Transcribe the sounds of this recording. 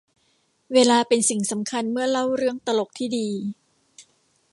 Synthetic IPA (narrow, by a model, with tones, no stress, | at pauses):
weː˧laː˧pe˧nsi˨˩ŋsa˩˦mkʰa˧nmɯ˥˩ɐla˥˩wɾɯ˥˩əŋt̪a˧lo˨˩k̚t̪ʰiː˥˩diː˧